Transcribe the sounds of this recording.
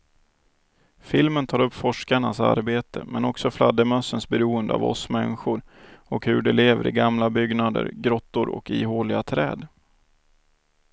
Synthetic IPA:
fɪlmənt̪ʰɑːɾɵpːfɔʂkaɳasa̰ɾbeːt̪ʰə̰mɛnɔksɔflad̪əmœsːənsbɛɾuːənd̪əa̰vɔ̰smɛnːɪɧʊɾ | ɔkhɵɖɛleːvəɾɪɡamlabʏɡnad̪ə̰ɾɡɾɔt̪ːʊɾɔ̰kiːɦoːlɪɡat̪ʰɾɛːd̪

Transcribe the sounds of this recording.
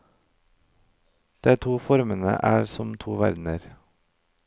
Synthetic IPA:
d̪̥eːt̪ʰuːfɔɾmənə̰ʔæːɾsɔmt̪ʰuːʋæɾd̪n̩əɾ

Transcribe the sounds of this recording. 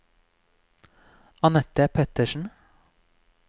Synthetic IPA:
ɑnɛt̪ːəpʰɛt̪əʃn̩

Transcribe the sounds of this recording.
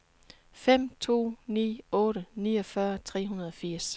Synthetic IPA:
fem̰t͡sʰo̝̰ːnḭːɔ̽ːɾənḭːɒfɶɐt͡sʰʁɛ̰ːɦunɐð̞ˠɒ̽fiɐ̰s

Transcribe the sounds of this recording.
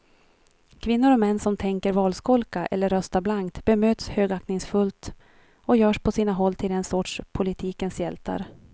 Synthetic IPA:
kʰvɪnːʊɾɔmɛnːsɔmt̪ʰɛŋkəɾvɑːlskɔlkaʔɛ̰lːəɾːœst̪ablaŋkt̪b̥ɛmøːt̪shøːɡaknɪŋsfɵlt̪ | ɔjœːʂpʰɔsiːnaɦɔlːt̪ʰɪld̪ɛnsɔʈʂpʰʊlɪt̪ʰiːkənsjɛlt̪a̰ɾ

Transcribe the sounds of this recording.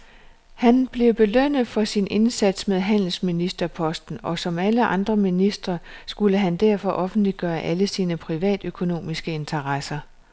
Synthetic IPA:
hænb̥le̝ʊb̥e̝løn̰ð̩ˠfɒ̽sinʔe̝nsæd̥smeð̞ˠɦæn̰l̩sminisd̥ɐpʰɒ̽sd̥n̩ɒ̽sɒ̽mæləʔɑ̈nd̥ʁɐminisd̥ʁɐsɡ̥uləɦænd̥æɐ̰fɒʔɒ̽fn̩d̥liɡ̥ɶːɐʔæləsiːnəpʰʁiʋɛ̰ːd̥økʰo̝no̝̰ːmisɡ̥əe̝nt͡sʰɐʁɑsɐ

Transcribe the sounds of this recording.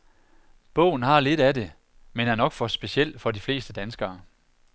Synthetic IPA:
b̥ɔ̰̽ʊ̰n̩hɑ̈le̝ɾ̥æde̝ | menæɐnɒ̽ɡ̥fɒ̽sb̥e̝ɕiel̰fɒ̽difle̝̰ːsd̥əd̥ænsɡ̥ɐː

